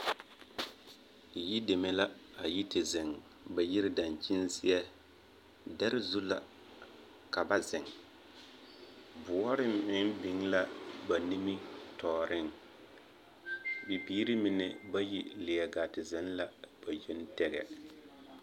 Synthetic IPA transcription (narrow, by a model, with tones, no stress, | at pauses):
ji˦de˨mɛ˦la˦a˨ji˦tɪ˨zɪ˨ŋ | ba˨ji˦ɾɪ˦da˨nt͡ʃi˦nsɪ˦jɛ˦ | da˦ɾɪ˦zu˦la˨ | ka˨ba˦zɪ˨ŋ | bʊ˨ɔ˦ɾɪ˦m̩˨ɪ˦ŋ˦bɪ˨ŋla˦ba˨ni˦mi˦tʰɔː˨ɾɪ˦ŋ | bi˨biː˦ɾi˦mɪ˨nɛ˨ba˦ji˦lɪ˨jɛ˨ɡaː˨tɪ˨zɛ˨˦n˦la˦b̥a˨jɛ˦n˦tɛ˦ɡɛ̰˨